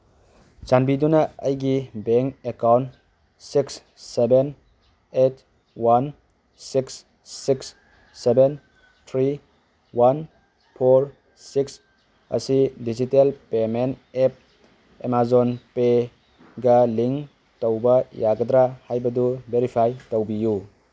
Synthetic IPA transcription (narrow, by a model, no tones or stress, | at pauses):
d͡ʒanbidunɐəjɡibeŋkekawnt | siks | seben | et̚ | wan | siksː | iksː | eben | t̪ʰɾi | wan | pʰoɾ | siks | ɐ̰sidid͡ʒitelpemenep̚ | emazonpe | ɡɐliŋ | towbɐjaɡɐdɾahajbɐdubeɾipʰajtowbiju